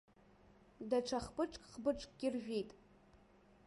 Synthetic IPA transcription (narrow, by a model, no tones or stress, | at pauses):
daʈ͡ʂʰaχpɨʈ͡ʂʼkʼχbɨʈ͡ʂʼkʼɡʲirʒᶣejtʼ